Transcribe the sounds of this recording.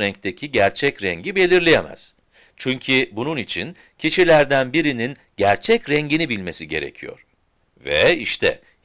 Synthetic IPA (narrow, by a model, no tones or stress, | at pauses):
ɾɛɲc̚t̪ʰecʰiɟæɾt͡ʃʰɛcɾɛɲɟibe̞lʲiɾlʲijemæ̰z̥ | t͡ʃʰyɲcʰibununit͡ʃʰin | cʰiʃilʲæɾd̪ænbiɾinin | ɟæɾt͡ʃʰɛcɾɛɲɟinibilʲme̞siɟe̞̰ɾḛcʰijo̞̰ɾ̥ | vɛ̰iʃt̪ʰɛ̰